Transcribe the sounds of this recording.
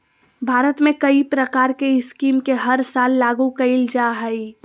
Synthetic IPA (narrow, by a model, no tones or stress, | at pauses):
bʱaːɾət̪mẽkɐipɾəkaːɾkeɪskiːmkeɦɐɾsaːlːaːɡukɐɪld͡ʒaɦəi